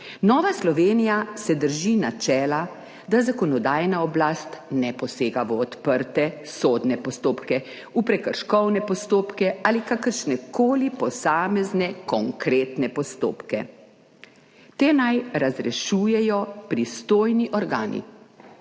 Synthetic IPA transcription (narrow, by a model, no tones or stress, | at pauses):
nɔːʋaslɔʋeːnijasɛd̪əɾʒinat͡ʃɛːla | d̪azakɔnɔd̪aːjnaɔblaːst̪nɛpɔseːɡaʋɔːt̪pəɾt̪ɛsoːd̪nɛpɔst̪oːpkɛ | upɾɛkəɾʃkɔwnɛpɔst̪oːpkɛaːlikakəɾʃnɛkʰoːlipɔsaːmɛznɛkɔŋkɾeːt̪nɛpɔst̪o̰ːpkɛ | t̪eːnajɾazɾɛʃuːjɛjɔpɾist̪oːjniʔɔɾɡaːnḭ